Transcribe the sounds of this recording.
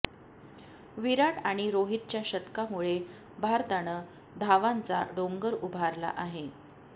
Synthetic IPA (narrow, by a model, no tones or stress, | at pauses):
ʋiɾaʈaɽ̃iɾoɦit̪̚t͡ɕjaɕət̪kamuɭe | bʱaɾt̪aɽ̃ə | d̪ʱaʋant͡sa̰ɖoŋɡəɾubʱaɾla̰ʔaɦe